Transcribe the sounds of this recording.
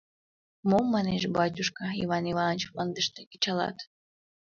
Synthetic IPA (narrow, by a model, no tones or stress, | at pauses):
momːɑneʃbɑt̬ʲuʃkɑḭβɑnivɑnət͡ɕlɑnd̪əʃt̪ekit͡ɕɑlɑ̰t̪